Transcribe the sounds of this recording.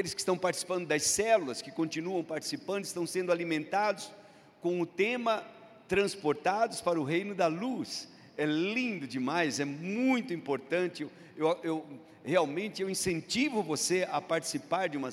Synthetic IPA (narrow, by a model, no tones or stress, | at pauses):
elɪskɪ̥st̪ɐ̃w̃paɾt͡ʃi̥si̥pɐ̃nd̪ʊd̪ɐsɛlulɐskɪkõnt͡ʃinuɐ̃w̃paɾt͡ʃi̥sipɐ̃nd̪ʊɪst̪ɐ̃w̃sẽnd̪ʊalimẽnt̪ad̪ʊs | kõw̃ʊt̪ẽmɐ | t̪ɾɐ̃spoɾt̪ad̪ʊspaɾɐʊɦejnʊd̪ɐlus | ɛlĩnd̪ʊd͡ʒɪmajzɛmũj̃t̪ʊĩpoɾt̪ɐ̃nt͡ʃɪew | ewaew | heawmẽnt̪ɪewĩsẽnt͡ʃivʊvoseɐpaɾt͡ʃi̥sipaɾd͡ʒɪũmɐ